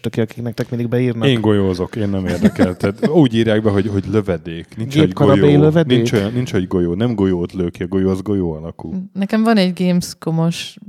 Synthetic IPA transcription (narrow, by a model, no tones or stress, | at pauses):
t̪ɒkiɒkiknɛkt̪ɛkmind̪iɡ̚bɛiːrnɒeːŋɡo̞joːzo̞keːnːɛmeːrd̪ɛkɛlt̪æːt̪uːɟiːɾjaːɡ̚bɛɦo̞ɟɦo̞ɟlø̞vɛd̪eːknint͡ʃɡeːoɡkːɒoɾɒjɛjiløvɛdnieːt͡ʃojɒnːint͡ʃhoɟɡo̞joːnɛmɡo̞joːt̪løːkiɒɡo̞jozɡo̞joːɒlɒkṵlnɛkɛɱvɒnɛɟɡeːmsko̞mo̞ʃ